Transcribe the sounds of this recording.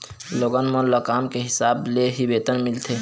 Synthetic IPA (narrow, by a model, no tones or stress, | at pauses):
loɡənmə̃ləkamkeɦisableɦibet̪ənmilt̪ʰe